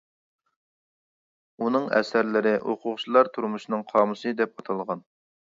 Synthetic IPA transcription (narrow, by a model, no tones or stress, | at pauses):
unɨŋɛ̰sæɾlɪɾɪʔoqʰʊʁt͡ʃʰilˠɑɾt̪ʰuɾmuʃnɨŋqʰɑːmɨsɨd̪ɛpɑt̪ʰɑlˠʁɑn